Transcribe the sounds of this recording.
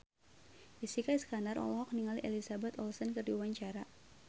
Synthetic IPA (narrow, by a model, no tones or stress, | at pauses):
isikaiskandarɔ̰lɔɦɔk̚niŋaliʔelisabɛt̪ɔlsɔnkɨrdiwaɲt͡ʃaɾa